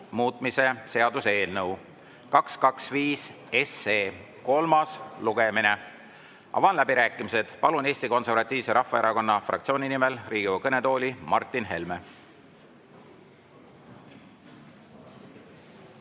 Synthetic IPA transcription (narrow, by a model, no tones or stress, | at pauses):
muːt̪ˑmise̞se̞ɑd̪̥use̞ːlnɤw | kɑkskɑksviːs | eseː | ko̞lmɑsluɡ̥e̞mine | ʔɑ̰vɑnlæbiɾæːkːˑimise̞d̪̥pɑlune̞ːst̪iko̞nse̞rvɑt̪ʲːˑiːvse̞ɾɑhfːɑe̞ɾɑko̞nːɑfrɑ̰kt̪sio̞ːnʲinimelriːɡ̥ikɤne̞t̪o̞ːlʲimɑrt̪ːˑinɦe̞lme